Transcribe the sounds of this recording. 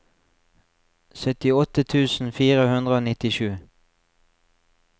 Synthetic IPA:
sœt̪ɪɔt̪ət̪ʰʉːsn̩fiːʁəhʉnd̪ʁəoːnɪt̪ɪʃʉː

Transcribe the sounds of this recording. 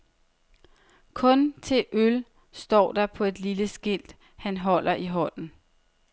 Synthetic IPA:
kʰɔ̽nt͡sʰe̝lʔøl | sd̥ɒ̰ːd̥ɑ̈pʰɒ̽e̝d̥liləsɡ̥el̰d̥ | hænɦɒ̽l̰ɐʔiɦɒn̰n̩

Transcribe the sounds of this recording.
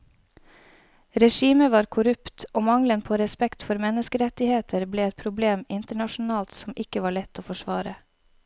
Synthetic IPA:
ɾɛʃiːməʋɑːɾkʰʊɾʉpt̪oːmɑŋlənpʰoːɾɛspɛkt̪fɔɾmɛnəskəɾɛt̪ɪheːt̪ʰəɾbleːɛt̪̚pʰɾʊbleːmɪnt̪əɳɑʃn̩ɑːlt̪sɔmɪkəʋɑːɭɛt̪ʰːoːfɔʃʋɑːɾə

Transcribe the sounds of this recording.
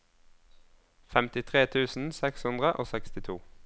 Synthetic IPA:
fɛmt̪ɪt̪ʰʁeːt̪ʰʉːsn̩sɛkshʉnd̪ʁəʔo̰ːsɛkst̪ɪt̪ʰuː

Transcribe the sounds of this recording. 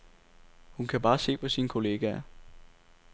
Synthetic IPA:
hunkʰæb̥ɑ̈ːse̝̰ːpʰɒ̽sinkʰo̝le̝ːɡ̥æɐ

